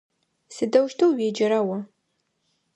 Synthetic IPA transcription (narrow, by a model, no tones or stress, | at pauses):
sɨdɐwʃtʰɐwɥeːd͡ʒɪɾɐwɐ